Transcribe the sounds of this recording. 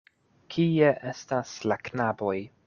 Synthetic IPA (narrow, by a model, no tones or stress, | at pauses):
kʰieʔestaslaknabo̞j